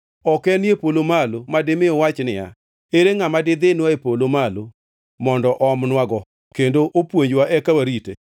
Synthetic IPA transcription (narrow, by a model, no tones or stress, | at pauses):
ɔkɛnjepolomalomadɪmɪɔwat͡ʃnɪja̰ | eɾeŋamadɪd̪ɪnwaepolomalo | mɔndɔʔɔmnwaɡɔ | kendoʔopwoɲd͡ʒwaʔɛkawaɾitḛ